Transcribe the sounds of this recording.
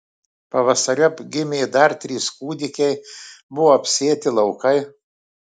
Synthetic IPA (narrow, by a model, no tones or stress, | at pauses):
pɐʋɐsɐɾʲʊpʲɡʲɪmʲeːd̪ɐɾt̪ʲɾʲiːskuːd̪ʲɪkʲɛɪbʊʋoːɐpʲsʲeːt̪ʲɪlˠɐʊkɐɪ